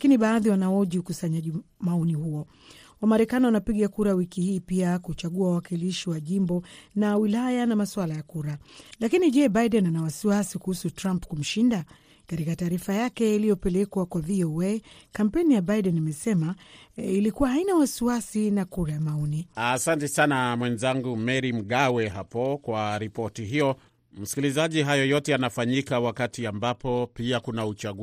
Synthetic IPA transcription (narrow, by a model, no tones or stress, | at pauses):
lakiniɓaːðiwanaɔʄiukusaɲaʄimaɔnihuɔ | wamaɾɛkaniwanapiɠakuɾawikihiːpiakut͡ʃaɠuawawakiliʃiwaʄimbɔnawilajanamaswalajakuɾalakiniʄɛɓajɗɛnanawasiwasikuhusutɾampkum̩ʃinda | katikataːɾifajakɛilijɔpɛlɛkwakwavioekam̩pɛnijabaidɛnimɛsɛmailikuwahainawasiwasinakuɾajamaɔniasantɛsanamwɛnzaŋɡumɛɾim̩ɠawɛɦapɔkwaɾipɔtiɦijɔ | m̩si̥kilizaʄiɦajɔjɔtɛanafaɲikawakatiambapɔpiakunaut͡ʃaɠu